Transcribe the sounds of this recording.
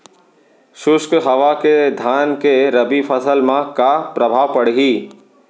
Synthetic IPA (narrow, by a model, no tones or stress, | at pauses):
ʃʊskɦɐʋaked̪ʱaːnkeɾɐbipʰəsəlmãkapɾəbʱaːʋpəɽɦiː